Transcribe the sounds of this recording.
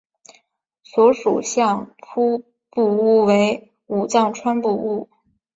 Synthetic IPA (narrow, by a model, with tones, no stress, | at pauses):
swɔ˧˥ʂṵ˨˩ɕjɑ˥˩ŋpʰu˥ | pu˥˩u˥˩we˧˥ɪ | u˨˩t͡sɑ˥˩ŋʈ͡ʂʰwa˥npu˥˧u˥˩